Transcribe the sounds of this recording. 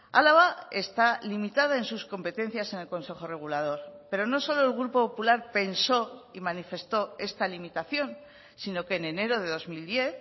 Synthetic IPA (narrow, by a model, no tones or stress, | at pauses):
alaβae̞st̪alimit̪aðae̞nsusko̞mpe̞t̪e̞n̟θjase̞ne̞lko̞nse̞xo̞re̞ɣ̞ulað̞o̞ɾpe̞ɾo̞no̞so̞lo̞elɣɾupo̞populaɾpe̞nso̞imanife̞st̪o̞e̞st̪alimit̪aθjo̞n | sino̞ke̞ːnene̞ɾo̞ðe̞ðo̞zmild̪je̞θ